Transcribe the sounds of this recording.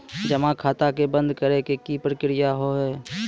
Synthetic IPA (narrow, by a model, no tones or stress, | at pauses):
d͡ʒɐmakʰaːt̪akebə̃nd̪kəɾekekipɾəkɾɪjaɦoɦɛː